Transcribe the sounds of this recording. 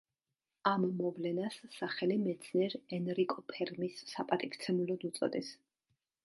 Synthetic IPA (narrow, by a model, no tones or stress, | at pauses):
amːɔvlɛnasːaχɛlimɛt̪sʰniɛɾɛnɾikʼɔpʰɛɾmisːapʼat̪ʼikʰt̪sʰɛmulɔd̪ut̪sʼɔ̰d̪ɛs